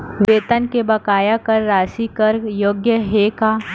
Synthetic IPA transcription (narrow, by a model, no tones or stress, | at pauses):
ʋeːt̪ənkebɐkaːjakɐɾːaːʃikəɾjoːɡjəɦeːkaː